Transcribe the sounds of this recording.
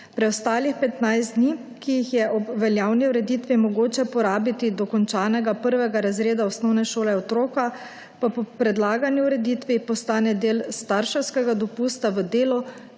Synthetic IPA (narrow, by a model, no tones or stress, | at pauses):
pɾɛɔst̪aːlixpɛt̪najsd̪ni | kijixjɛʔɔbʋɛljaːwniuɾɛd̪it̪ʋimɔɡoːt͡ʃɛpɔɾaːbit̪id̪ɔkɔnt͡ʃaːnɛɡapəɾʋɛɡaɾazɾeːd̪aɔsnɔwnɛʃoːlɛɔt̪ɾoːka | papɔpɾɛd̪laːɡanjuuɾɛd̪it̪ʋipɔst̪aːnɛd̪eːlst̪aɾʃɛwskɛɡad̪ɔpust̪aʋəd̪eːlɔ